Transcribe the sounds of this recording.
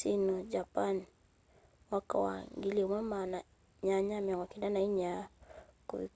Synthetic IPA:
sinɔd͡ʒapan | waka̰wa̰ŋɡiliɔmɛmana | ɲaɲamiɔŋɡɔkidanaiɲa | kuβi

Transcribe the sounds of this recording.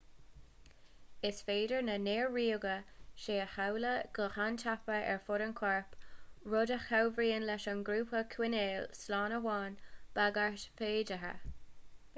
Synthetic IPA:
ɪsfeːdəɹnəneːɹːiːəɡəʃeːəhawləɡ̥əhant̪ʰapəɛ̰ɹfʊɾənkʰwɛɹpɹʊdəxawvɹiːənlɛʃənɡɾuːpʰəkʰwɪneːlslɑːnəwɑːnb̥aɡaɹtfeːdəɦə̰

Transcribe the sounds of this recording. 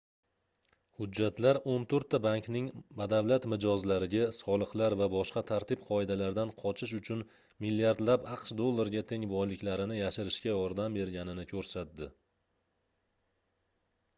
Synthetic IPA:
hʊd͡ʒːat̪laɾont̪ʰɵɾt̪ʰːabaŋknɪŋbad̪avlat̪mɪd͡ʒɒzlaɾɪɡʲasɒlˠɨqlˠaɾvabɒʃqɑt̪ʰaɾt̪ʰɪpqʰɒɪd̪alaɾd̪anqʰɒt͡ʃʰɪʃ̬ʊt͡ʃʰʊn | milːiaɾd̪lapɑqʃd̪o̞lˠːaɾɡʲat̪ʰe̞ŋbɒjlɪkʲlaɾɪnɪjaʃɪɾɪʃkʲajɒɾd̪ambe̞ɾɡʲanɪnɪkʲʰɵɾsat̪̚d̪ɪ

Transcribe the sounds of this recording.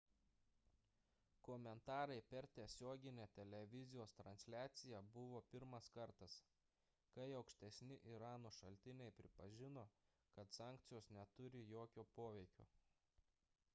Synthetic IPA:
kɔmʲɛnt̪ɑːɾɐɪpʲɛɾt̪ʲiɛsʲoːɡʲɪnʲɛt̪ʲɛlʲɛʋʲɪzʲɪjoːst̪ɾɐnʲsʲlʲæːt̪sʲɪjɛbʊʋoːpʲɪɾmɐskɐɾt̪ɐs | kɐɪɐʊkʃʲt̪ʲɛsʲnʲɪʔiɾɑːnoːʃɐlʲt̪ʲɪnʲɛɪpʲɾʲɪpɐʒʲɪnoː | kɐt̪sɑːˑŋʲk̚t̪sʲɪjoːsnʲɛt̪ʊɾʲɪjoːkʲoːpoːʋʲɛɪkʲo̰ː

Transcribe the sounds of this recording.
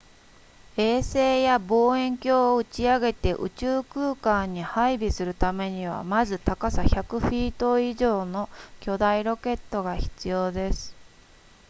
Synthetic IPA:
e̞ːse̞ːjabo̞ːẽ̞ŋkʲo̞ːɯ̟t͡ɕiaɡe̞t̪e̞ʔɯ̟̰t͡ɕɨːkɯːkãɲ̟ːihaibʲisɨɾɯ̟t̪ame̞ɲ̟iβ̞a̰mazɨt̪akasaçakɯ̟ɸiːt̪o̞iʑo̞ːno̞kʲo̞d̪aiɾo̞ke̞t̪ːo̞ɡaçi̥t͡sɨjo̞ːd̪e̞sɨ̥

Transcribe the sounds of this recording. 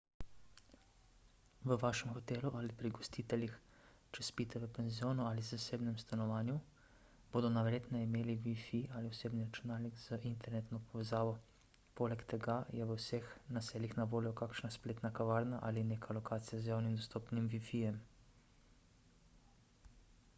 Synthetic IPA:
ʋəʋaːʃɛmxɔt̪eːluʔalipɾiɡɔst̪it̪ɛlʲjix | t͡ʃɛspit̪ɛʋəpɛnzijoːnuaːlizaseːbnɛmst̪anɔʋaːnju | boːd̪ɔnaʋɾeːt̪nɛimeːliʋifialiɔseːbniɾat͡ʃunaːlniɡz̥əʔint̪ɛɾnet̪nɔpɔʋɛzaːʋɔ | poːlɛkt̪ɛɡajɛʋəwsexnaseːlixnaʋoːljɔkaːkʃnaspleːt̪nakaʋaːɾnaʔalineːkʰalɔkaːt̪sijazjaːwnimd̪ɔst̪oːpnimʋifijɛm

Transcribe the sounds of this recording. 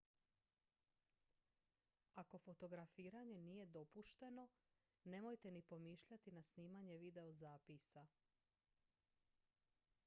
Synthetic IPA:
ako̞fo̞t̪o̞ɡɾafiːɾaɲe̞nije̞d̪o̞puʃt̪e̞no̞ | ne̞mo̞jt̪e̞nipo̞miːʃʎat̪inasniːmaɲe̞ʋid̪e̞ozaːpisa

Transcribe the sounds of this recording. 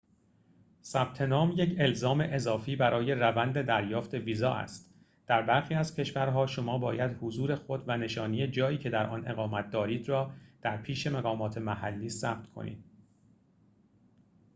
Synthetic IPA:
sæb̥̚t̪ʰe̞nɒːmjecʰe̞lzɒːme̞ʔe̞zɒːfiːbæɾɒːje̞rævænd̪e̞d̪æɾjɒːft̪ʰe̞viːzɒ̰ːʔæ̰st̪ | d̪̥æɾbæɾxiːæzcʰe̞ʃvæɾɦɒːʃo̞mɒːbɒːjæd̪hozuːɾe̞xo̞d̪væne̞ʃɒːnijed͡ʒɒːiːcʰe̞d̪æɾʔɒ̰ne̞̰ɣɒːmæt̪̚d̪ɒːɾiːd̪rɒːd̪̥æɾpʰiːʃe̞meɣɒːmɒːt̪ʰe̞mæhælːiːsæb̥̚t̪kʰo̞̰nʔḭːd̪̥

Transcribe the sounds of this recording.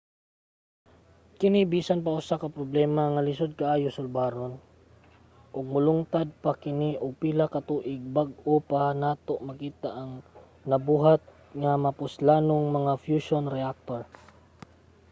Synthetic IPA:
kɪnibiːsanp̬aʔʊsakɐpɾoblɛːmaŋɐlɪsod̪̚kaʔaːjʊsʊlbaːɾon | ʔʊɡ̚mʊlʊŋt̪ad̪̚pakɪniʔoɡ̚pilakɐt̪uʔɪɡ̚baɡ̚ʊpanaːt̪oʔmɐkiːt̪aʔɐŋ | nɐbuːɦat̪̚ | ŋamɐpʊslaːnoŋmɐŋafjuʃonɾɛak̚t̪oɹ

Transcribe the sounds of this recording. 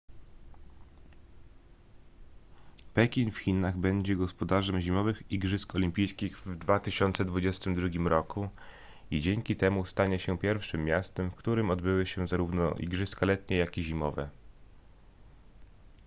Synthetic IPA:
pɛkʲinfxʲinaɣbɛɲd͡ʑɛɡɔspɔd̪aʐɛmʑimɔvɘxiɡʐɘskɔlʲimʲpʲijskʲiɣvd̪vat̪ɘɕɔnt̪sɛd̪vud͡ʑɛst̪ɘmd̪ɾuɡʲimɾɔku | id͡ʑeŋkʲit̪ɛmust̪aɲɛɕɛpʲjɛɾfʂɘmːʲjast̪ɛmfkt̪uɾɘmɔd̪bɘwɘɕɛzaɾuvnɔ̰ʔḭɡʐɘskalɛt̪ɲɛjakiʑimɔvɛ

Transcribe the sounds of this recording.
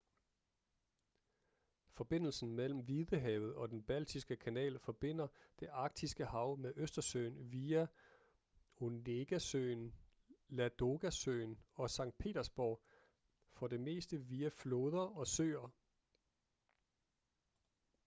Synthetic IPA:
fɒ̽b̥e̝n̰l̩sn̩mel̰m̩ʋiðˠəɦɛʊð̞̩ˠɒ̽d̥enb̥æl̰d̥ʰisɡ̥əkʰænɛ̰ːlfɒ̽b̥e̝n̰ɐd̥e̝ʔɑ̈ɡ̥̚d̥isɡ̥əhɑ̈ʊmeʔøsd̥ɐsø̰ɪnʋiːæ | o̝neɡ̥æsøːn | læd̥o̝ɡ̥æsø̰ːnɒ̽sɑ̈ŋ̰d̥̚pʰe̝̰ːd̥ɐsb̥ɒʊ | fɒ̽de̝me̝̰ːsd̥əʋiæfloːð̞ˠɐɒ̽sø̰ːɐ

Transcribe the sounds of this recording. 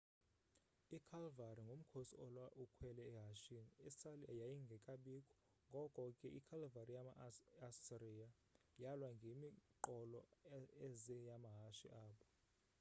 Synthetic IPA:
ikʰalvaɾiŋɡʱom̩kʰosḭɔlwaʔukʰwɛlɛːɦaʃiniisaljajiŋɡʱɛkʼaɓikʼɔ̥ | ŋɡʱɔkʼwɔkʼɛʔikʰalvarijaaasiria | jalwaŋɡʱemiǃɔlɔɛzɛjamaɦaʃḭʔaːpʰɔ̥

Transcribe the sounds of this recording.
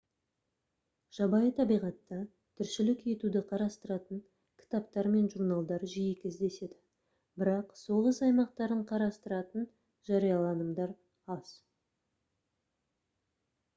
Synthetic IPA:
ʒ̥ɑbɑjət̪ʰɑbijʁɑt̪ːɑ | t̪ʰʏɾʃɪlɪke̞t̪ud̪ɪqʰɑɾɑst̪əɾɑt̪əɴ | kʲʰɪ̥t̪ɑpt̪ɑɾme̞nʒuɾnɑlˠd̪ɑɾʒijekʲɪzd̪e̞se̞d̪ɪ | bɪɾɑqso̞ʁəsɑjmɑq̚t̪ɑɾəɴqʰɑɾɑst̪əɾɑt̪ən | ʒ̥ɑɾijɑlˠɑnəmd̪ɑɾ | ɑz̥

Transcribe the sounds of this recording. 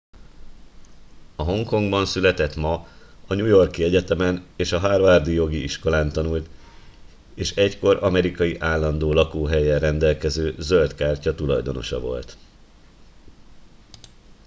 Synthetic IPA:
ɒɦo̞ŋko̞ŋɡbɒnsylɛt̪ɛt̪mɒɒɲujo̞rkiɛɟɛt̪ɛmɛneːʃɒɦaːrʋaːrd̪ijo̞ɡiiʃko̞laːnt̪ɒnult̪ | eːʃɛcko̞ɾɒmɛɾikɒjiʔaːlːɒnd̪oːlɒkoːɦɛjɛrɛnd̪ɛlkɛzøːzølt̪kaːrcɒt̪ulɒjd̪o̞̰no̞̰ʃɒ̰vo̞̰lt̪

